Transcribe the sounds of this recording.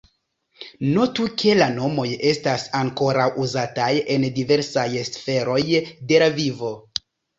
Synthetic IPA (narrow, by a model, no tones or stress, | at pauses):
notukʰe̞lano̞mo̞je̞stasaŋko̞ɾawʔuzataje̞ndive̞ɾsaje̞sfe̞ɾo̞jde̞lavivo̞